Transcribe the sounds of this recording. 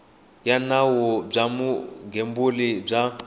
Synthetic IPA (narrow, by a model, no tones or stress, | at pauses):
janawɔb͡ʐamuɡʱembulib͡ʐa